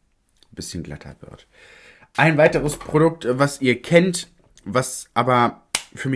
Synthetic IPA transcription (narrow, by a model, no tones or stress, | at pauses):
b̥ɪsçənɡla̰tʰɐ̰vɪ̰ɐ̰t | ʔaɪnvaɪtəʁəspʁ̥odʊk̚tvasʔiːɐkʰɛnt | vasʔaːbɐfyːɐɪ